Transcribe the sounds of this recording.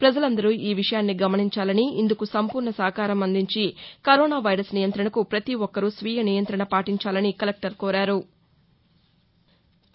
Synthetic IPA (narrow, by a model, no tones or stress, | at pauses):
pɾɐd͡ʒɐlɐnd̪ɐɾuiːʋiʂɐjaːnːiɡɐmɐniɲt͡ʃaːlɐniind̪ukusɐmpuːɾɳɐsɐɦɐkaːɾɐmɐnd̪iɲt͡ʃikɐɾɔːnaːʋɐjɾɐsnijɐnt̪ɾɐɳɐkupɾɐt̪iʋɔkːɐɾusʋiːjɐnijɐnt̪ɾɐɳɐpaːʈiɲt͡ʃaːlɐnikɐlek̚ʈɐɾkɔːɾaːɾu